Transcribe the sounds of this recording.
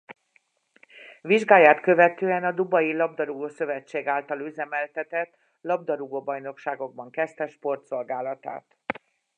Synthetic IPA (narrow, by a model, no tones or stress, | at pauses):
viʒɡaːjaːt̪kø̞vɛt̪øːɛnɒd̪ubɒjilɒb̚d̪ɒɾuɡoːsø̞vɛt͡ʃːeːɡaːlt̪ɒlyzɛmɛlt̪ɛt̪ɛt̪ | lɒbd̪ɒɾuɡoːbɒjno̞kʃaːɡo̞ɡ̚bɒŋkɛst̪ɛʃpo̞rt̪so̞lɡaːlɒt̪a̰ːt̪